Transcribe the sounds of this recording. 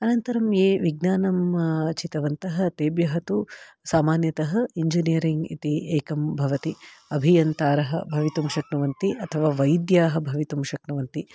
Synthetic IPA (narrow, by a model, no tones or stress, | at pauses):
ɐnɐnt̪ɐɾɐmjeːʋiɡnaːnɐmt͡ʃit̪ɐʋɐnt̪ɐɦɐ̆t̪eːbjɐɦɐt̪usaːmaːnjɐt̪ɐɦɐiɲd͡ʒinijɐɾiŋɡḭt̪ieːkɐmbʱɐʋɐt̪iɐbʱijɐnt̪aːɾɐɦɐ̰bʱɐʋit̪umʃɐknɐʋɐnt̪iʔɐt̪ʰɐʋaːʋɐjd̪jaːɦɐbʱɐʋit̪umʃɐknɐʋɐnt̪i